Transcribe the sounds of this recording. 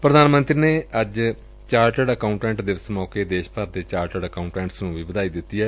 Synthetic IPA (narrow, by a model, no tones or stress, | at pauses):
pɾəd̪aːnmə̃nt̪ɾiːneːəd͡ʒ | t͡ʃaːɾʈəɖəkaːʊɳʈɛ̃ːɳʈd̪ɪʋəsmaːkeːd̪eːʃpəɾd̪eːt͡ʃaːɾʈəɖəkaːʊ̃ɳʈɛ̃ːɳʈsnũːbiːbəd̪aːid̪ɪt̪ːiɛː